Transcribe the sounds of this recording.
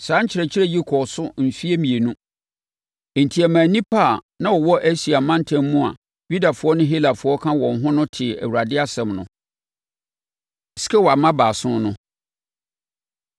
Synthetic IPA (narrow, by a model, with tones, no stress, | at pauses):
sãː˨˦ɲ̩˦t͡ɕʰɪ˨ɾɛ˨t͡ɕʰɪ˦ɾɛ˦ji˦kʰɔ˨sʊ˦m̩˨fi˦e˦mĩ˨e˨nũ˦˨ | n̩˨tʰi˨ɛ˨mã˨nĩ˦pʰa˦˨ | nã˦wɔ˨wɔ˦ʔæ˦si˨a˨mã˦n˦tʰɛ̃˦mːũ˦a̰˨ | ɥi˦da˨fʊ˨˦ɔ˦nʊ̃˦ɦi˦la˨fʊ˦ɔ˦kʰã˦wɔ̃˨n˨ɦʊ̃˦nʊ̃˦tʰɪ˨æ̰˨wu˨ɾa˨dɪ˦a˦sɛ̃˨mnʊ̰̃˨ | sɪ̥˦kɛ˦wɔ˨a˨mã˦baː˨sʊ̃˦nʊ̃˦